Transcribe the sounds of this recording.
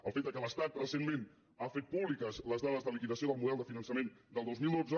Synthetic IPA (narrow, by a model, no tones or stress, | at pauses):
əlˠfet̪̚d̪əkələst̪at̪rəsenmen | afet̪̚puβlikəzləzðaðəzðəlikiðəsioðəlˠmuðɛlˠd̪əfinənsəmend̪əlˠd̪ozmilˠd̪ozə